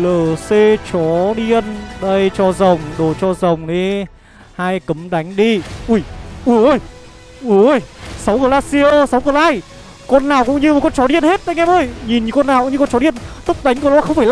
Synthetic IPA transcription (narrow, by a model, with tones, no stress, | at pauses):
ləː˨˩se˧t͡ɕɔ˨˦ɗi˧ənɗə˧jt͡ɕɔ˧zə˨˩wŋ͡mɗo˨˩t͡ɕɔ˧zə˨˩wŋ͡mɗe˨˦ | haː˧jkə˨˦mɗa˨˦jŋ̟ɗi˧ʔu˧˩jʔu˧j | ʔu˧˦jsa˨˦wkəː˨˩laː˧˩si˧o˧sa˨˦wkəː˨˩laː˧˩j | kɔ˧nːaː˨˩wkʊ̰˧˥ŋ͡mɲɨ˧m˨˩kɔ˧nt͡ɕɔ˨˦ɗi˧ənhe˦˥t̚ɗa˧jŋʔɛ˧mʔəː˧jɲi˨˩nɲɨ˧kɔ˧nːaː˨˩wkɲɨ˧kɔ˧nt͡ɕɔ˨˦i˧ənt̪ʊ˦˥k͡p̚ɗa˨˦jŋ̟kə˧˩˨laː˧˦xə˧wŋ͡mfaː˧˩l